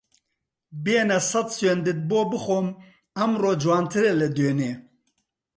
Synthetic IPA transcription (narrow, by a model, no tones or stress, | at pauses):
beːnɐsɐt̪send̪ɨt̪̚boːbɨxoːm | ɐmroːd͡ʒwaːnt̪ʰɨɾelɛd̪øːneː